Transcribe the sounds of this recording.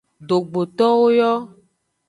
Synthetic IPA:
ɖo˨ɡ͡bo˨t̪ɔ˦wo˦jɔ˦

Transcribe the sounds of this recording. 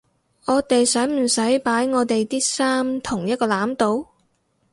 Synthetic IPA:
ŋɔː˨˧t̪e˨jsɐ˨˥jm̩˨˩sɐ˨˥jpaː˨˥jŋɔː˨˧t̪e˨jt̪iː˥saː˥mt̪ʰʊ˨˩ŋjɐ˥t̚kɔː˧laː˨˥mt̪o˨˧˥w

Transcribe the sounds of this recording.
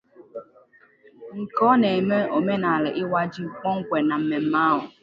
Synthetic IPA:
ŋ̩˨kɔ˦ne˨me˦o˨me˦na˨lɪ˨ʔɪ˦wa˦d͡ʒi˦˨k͡pɔ˦ŋ̩˦kʷe˨na˨m̩˦me˨m̩˦ma˦ɦʊ˨

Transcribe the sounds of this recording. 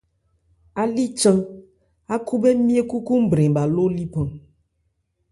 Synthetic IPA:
a˨li˦t͡ʃã˦ | a˦ku˦be˦mĩ˦e˦ku˦ku˦m̩˦bɾɛ̃˨ba˨lo˦li˦pã˨

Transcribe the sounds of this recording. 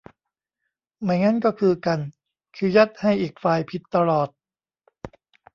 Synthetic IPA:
ma˧˩jŋa˦˥nkɔː˥˩kʰɯː˧ka˧n | kʰɯ˧˥˩ja˦˥t̪̚ha˥˩jʔiː˨˩k̚faː˧jpʰi˨˩t̪ːa˧lɔː˨˩t̪̚

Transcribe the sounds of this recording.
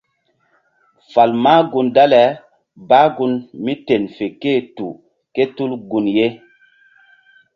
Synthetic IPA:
fa˨lmaː˦ɡu˦nda˦lɛ˨ | baː˦ɡu˦nmi˦te˨nfe˨ke˦˨tu˨ | ke˦tu˦lɡu˨nje˦

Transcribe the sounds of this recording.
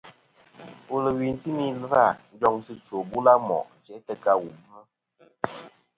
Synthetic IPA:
o˨lə˨wi˨n˨˦ti˦mi˦lva˦˨n̩˦d͡ʒɔ˦ŋsi˦t͡so˨bu˦la˦mɔ̰˨ʔt͡ʃɛ˨˦tə˦ka˦wu˨bə˦

